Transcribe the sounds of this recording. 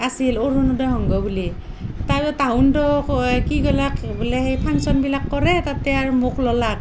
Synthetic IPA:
asiloɹnɔdɔjɦɔŋɡɔbuli | tatɛtaɦʊndɔkiɡɔlakbulɛhejpʰaŋsɔnbilakːɔɹɛtatɛaɹmokʰlɔlak̚

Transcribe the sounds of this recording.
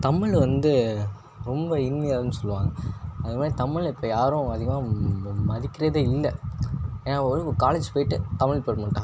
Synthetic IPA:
t̪ɐmɪɭʋɐnd̪ɯ | ɾɔmbɐɪnʋɐjaːɾɯnːɯsɔlːɯʋã̰ːŋɡɐɐðmaːd̪ɾit̪ɐmɪɭɪpːoːjaːɾʊ̃ɐðɯɣɐmaːmɐðɪkːɪɾɐðɯɪlːɛ | eːnːaːɾkːkaːleːd͡ʒpoːjɪʈːɯt̪ɐmɪɭpoːɾmaːʈːãː

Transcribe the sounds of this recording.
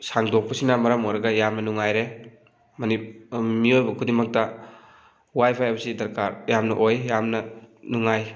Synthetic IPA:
saŋdok̚pɐsinɐmɐɾɐmojɾɐɡɐjamnɐnuŋajɾe | mɐnimiojbɐkʰudimɐk̚tɐ | wajpʰajbɐsidɐɾkaɾjamnɐʔojjamnɐnuŋaj

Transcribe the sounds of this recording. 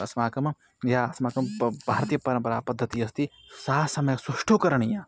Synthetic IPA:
ɐsmaːkɐm | jaːɐsmaːkɐmbʱaːɾt̪ijɐpɐɾɐ̃mpɐɾaːpɐd̪ʱːɐt̪iːɐst̪isaːsɐmɐjsɐʃʈʰoːkɐɾɐɳijãː

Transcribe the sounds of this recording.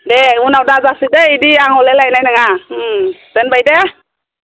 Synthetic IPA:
deunawdazasideidiaŋɦɔlelajnajnaŋa | z̥ɛnbajde

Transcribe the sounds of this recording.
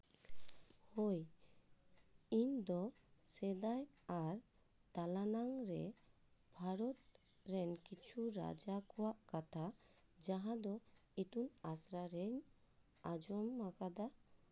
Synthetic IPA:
hoj | iɲd̪ɔsɛd̪ajaɾ | t̪alanaŋɾɛ | bʱaɾɔt̪ | ɾɛnkit͡ʃʰuɾa̰d͡ʒakɔwaʔkat̪ʰad͡ʒaɦãd̪ɔit̪unasɾaɾɛɲ | ad͡ʒɔmːakad̪a

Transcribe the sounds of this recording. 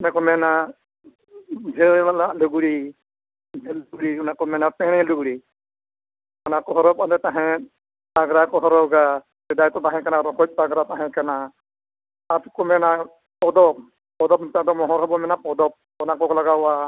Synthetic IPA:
unakɔmɛna | d͡ʒʱɛlalaluɡuɽi | d͡ʒʱɛlɡɽiunakɔmɛnat̪ɛ̃ɽ̃ɛluɡuɽi | ɔnakɔɦɔɾɔp̚ad̪ɛt̪aɦɛ̃ | paɡɾakɔɦɔɾɔɡa | sɛd̪ajt̪ɔt̪aɦɛ̃kanaɾɔkɔt̚ˀpaɡɾat̪ãɦɛ̃kana | at̪kɔmɛna | pɔd̪ɔp̚ | pɔd̪ɔp̚t̪ãd̪ɔmɔɦɔɾɦɔbɔmɛnapɔd̪ɔp̚ | ɔnakɔklaɡawa

